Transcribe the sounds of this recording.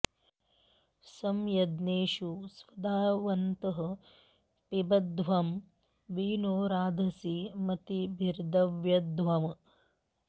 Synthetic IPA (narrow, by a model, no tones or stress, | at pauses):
sɐmjɐd̪neːʃusʋɐd̪aːʋɐnt̪ɐɦɐ̆ | pibɐd̪ʋɐm | ʋiːnoːɾaːd̪ʱɐsimɐt̪ibʱiɾd̪ɐʋjɐd̪ʋɐm